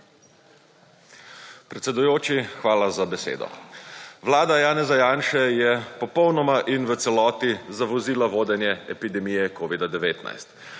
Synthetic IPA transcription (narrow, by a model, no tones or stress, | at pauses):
pɾɛt̪sɛd̪ujoːt͡ʃixʋaːlazabɛsḛːd̪ɔ̰ʋlaːd̪ajaːnɛzajaːnʃɛjɛpɔpɔwnɔmaʔinʋət̪sɛlɔːt̪izaʋɔziːlaʋoːd̪ɛnjɛɛpid̪ɛmijɛkoːʋid̪ad̪ɛʋeːt̪na̰jst̪